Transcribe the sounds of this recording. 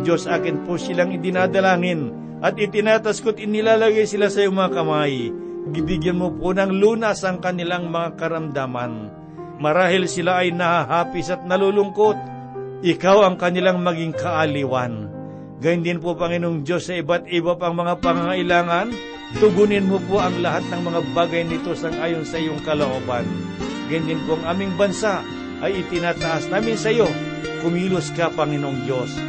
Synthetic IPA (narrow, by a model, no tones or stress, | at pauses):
d͡ʒo̞sʔaːkɪnposɪlaŋɪd̪ɪnaːd̪ɐlaːŋɪn | ʔɐt̪̚ɪt̪ɪnaːt̪askot̪ɪnɪlaːlaɡajsɪlasɐjʊŋmɐŋakɐmaj | ɡɪbɪɡjanmʊponɐŋluːnasɐŋkɐnɪlaŋmɐŋakɐɾɐmd̪aːma̰n | mɐɾaːhɪlsɪlaʔɐjnɐhaɦaːpɪsɐt̪̚nɐlulʊŋkot̪̚ | ʔɪkawɐŋkɐnɪlaŋmɐɡɪŋkɐʔaliwan | ɡajnd̪ɪnpopɐŋɪnoŋd͡ʒo̞sːɐʔɪbat̪ɪbapaŋmɐŋapɐŋaŋɐʔɪlaːŋan | t̪ʊɡunɪnmopoʔɐŋlɐɦat̪̚nɐŋmɐŋabaːɡɐjnɪt̪osɐŋʔaːjonsɐʔijoŋkɐloʔoːban | ɡajʊnd̪ɪnpoɐŋʔaːmɪŋbɐnsaʔ | ʔɐjɪt̪ɪnat̪ɐʔasnaːmɪnsɐjo | kʊmiːlʊskapɐŋɪnoŋd͡ʒos